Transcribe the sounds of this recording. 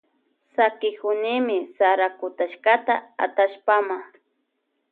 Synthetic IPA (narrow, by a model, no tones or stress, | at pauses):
sakɪkʊnɪmɪsaɾakʊt̪aʃkat̪aa̰t̪aʃpama